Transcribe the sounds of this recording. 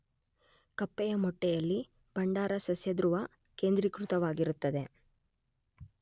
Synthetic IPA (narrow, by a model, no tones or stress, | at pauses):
kɐpːɛjɐmɔʈːɛjɐlːi | bɐɳɖaːɾɐsɐsjɐd̪ɾuʋɐ | keːnd̪ɾikɾut̪ɐʋaːɡiɾut̪ːɐd̪e̞